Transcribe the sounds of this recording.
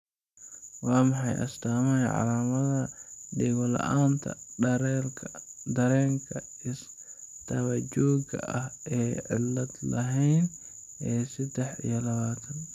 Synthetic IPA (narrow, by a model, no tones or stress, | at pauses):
waːmɑħɑjʔɐ̰st̪aːmɐjʕɑ̰lamɐðɐdɪɣɔlɐ̰ʔaːnt̪ʰɐ̰ɾʰ | d̪ɐɾɛːŋkʰɐ | ɪs | t̪ʰɐβɐd͡ʒɔːɡɐ̰ʔɐhɛːʕɪ̰lːɐd̪lɐɦɛjn | ʔɛːsɪd̪ɛħḭjɐlɐβaːt̪ʰɐn